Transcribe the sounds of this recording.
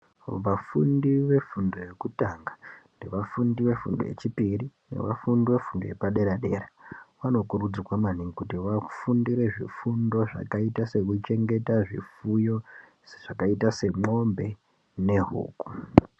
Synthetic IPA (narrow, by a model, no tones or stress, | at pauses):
ʋafundiʋe̞fundo̞je̞kutaŋɡandeʋafundiʋe̞fṵndo̰jḛt͡ʃipirinḛʋa̰fundiʋe̞fundoje̞̰paɗe̞ɾaɗe̞ːɾaʋano̞kurud͡zikwamaniŋikutiʋafundiɾe̞ʐḭfundo̞ʐa̰kaitase̞kut͡ʃe̞ŋɡe̞taʐḭfujo | ʐ̥akaitase̞mo̞mbe̞ | ne̞ɦṵːku̥